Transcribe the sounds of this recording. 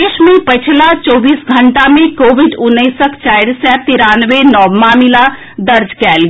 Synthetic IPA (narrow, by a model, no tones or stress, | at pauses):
eːʃmẽpət͡ʃʰlat͡ʃɔːbiːsɡʱəɳʈamẽkoːʋɪɖʊnːəsəkt͡ʃaːɪɾsɛt̪ɪɾaːnʋenɔːmaːmila | d̪əɾd͡ʒkɛːlɡ